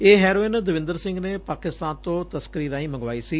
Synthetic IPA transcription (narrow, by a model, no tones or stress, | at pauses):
eːɦɛːɾoːɪnd̪əʋɪ̃nd̪əɾsɪ̃ŋɡneːpaːkɪst̪aːnt̪õːt̪əskəɾiːɾãːĩːməŋɡʋaːiːsiː